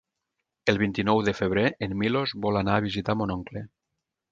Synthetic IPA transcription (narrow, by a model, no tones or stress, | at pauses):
elˠβ̞int̪inɔwðefeβ̞ɾeʔenmilozβɔlanaːβ̞izit̪amonɔŋkle